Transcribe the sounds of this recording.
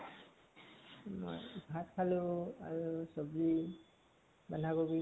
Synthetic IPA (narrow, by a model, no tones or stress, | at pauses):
mo̰jɡʱatkʰalʊa̰ɹusɔbli | bandʱakobi